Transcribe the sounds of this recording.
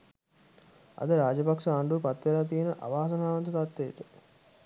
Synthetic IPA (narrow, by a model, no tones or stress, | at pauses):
ɐ̰d̪əɾaːd͡ʒɐpaksaːɳɖupat̪ːʋelaːt̪̬ijenəʔa̰ʋaːsɐnaːʋɐnt̪ut̪at̪ːeʈə